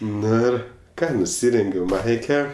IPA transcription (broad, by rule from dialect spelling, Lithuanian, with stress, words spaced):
ˈnʊ ɪr ˈkɑː nʊˈsʲɪrʲɛŋʲɡʲɛʊ ˈmɐɪkʲɛ